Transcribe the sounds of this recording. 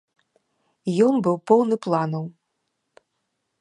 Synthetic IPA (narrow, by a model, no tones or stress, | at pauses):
jɔnbɨwpɔwnɨplˠanɐw